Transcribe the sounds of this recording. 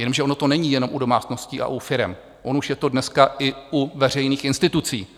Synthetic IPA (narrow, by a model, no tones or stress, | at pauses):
jɛnomʒɛʔo̞no̞t̪o̞nɛɲiːjɛno̞mʔudo̞maːt͡sno̞sciːʔa̰ʔufɪɾɛm | ʔo̞nuʃjɛt̪o̞dnɛskaʔɪʔuvɛr̝ɛjniːxɪnst̪ɪt̪ut͡sḭː